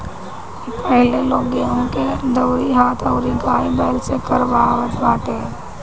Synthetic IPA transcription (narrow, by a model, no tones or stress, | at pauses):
epɛɦleloːɡeõked̪əːɾiɦaːt̪ʰɔːɾiɡaːibɛːlsekɐɾʋaːʋət̪baːt̪e